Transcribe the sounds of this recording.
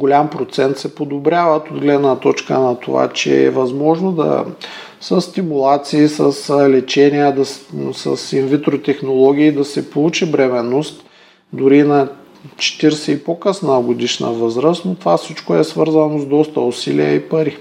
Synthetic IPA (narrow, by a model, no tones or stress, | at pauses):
ɡolʲampɾot̪sɛnt̪sɛpod̪obɾʲjavət̪od̪ɡlɛd̪nət̪ɔt͡ʃkə̰nɐt̪o̰va̰t͡ʃɛ̰ɛ̰vɐzmɔʒnod̪ɐ̰ | səst̪imulˠat̪siːsəslɛt͡ʃɛniəd̪ɐsɐ̰sinvʲit̪ɾot̪ɛxnolˠɔɡ̟ʲiːd̪ɐsɛpolˠut͡ʃibɾɛmɛnost̪ | d̪ʊɾinɐ | t͡ʃɛ̥t̪iɾsɛipokəsnəɡod̪iʃnə̰vɤzɾəst̪not̪ovafsit͡ʃkoɛsvɤɾzənozd̪ɔst̪ɐosilḭə̰ipɐɾi